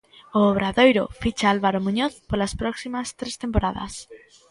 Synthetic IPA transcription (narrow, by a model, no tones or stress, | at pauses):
oːβ̞ɾaðojɾo̰fit͡ʃaalβaɾomuɲoθpolaspɾoksimast̪ɾest̪empoɾaða̰s